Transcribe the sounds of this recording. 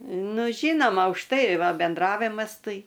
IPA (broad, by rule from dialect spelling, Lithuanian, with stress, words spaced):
ˈnʊ ˈʒʲiːnoːmɐ ʊʃ ˈtɐɪ ˈʋɐ bʲɛnˈdrɑːʋʲɪmɐs ˈtɐɪ